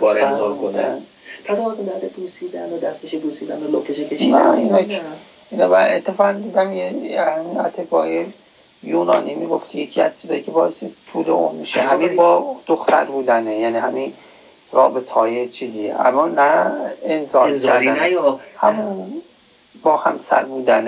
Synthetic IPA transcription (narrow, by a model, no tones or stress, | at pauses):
bɒɾenzɒɾkʰonæ | pʰæsɒɾt̪ed̪æɾd̪epʰusiːd̪ænod̪æst̪eʃepuːsiːd̪ænolok̪eʃekʰeʃinæ̰iːnɒ | inɒmæet̪ʰːe̞fɒːʁand̪iːd̪æmjehæminæ̰t̪ʰe̞bɒːe | juːnɒ̰ːniːmiːɡo̞ft̪ʰijecʰiːæ̰z̥t͡ʃʰizɒːjiːcʰebɒːest̪et̪ʰuːlḛʔṵmmiʃehæminbɒːd̪̥oxt̪ʰæ̰ɾbuːd̪ænejæːniːɦæmi | ɾɒ̰ːbe̞t̪ʰɒːjet͡ʃʰiːziːḛʔæ̰mːɒːnæensɒːɾiæɾænhæmu | bɒːhæ̰msæ̰ɾbuːd̪æn